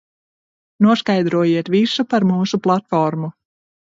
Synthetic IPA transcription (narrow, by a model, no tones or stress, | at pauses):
nuɔskajd̪ɾuɔjiɛt̪visupaɾmuːsuplˠat̪fɔɾmu